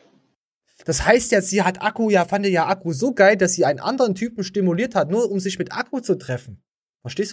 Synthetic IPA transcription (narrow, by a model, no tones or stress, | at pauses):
d̥ashaɪstjaːz̥iːɦatʔakujaːfandejaːʔakʰuzoːɡaɪldasz̥iːʔaɪnənʔa̰ndəʁəntʰyːpm̩ʃtimuliːɐthatnuːɐʊmzɪçmɪtʔa̰kʰut͡sutʁ̥ɛfn̩ | fɛɐʃteːstː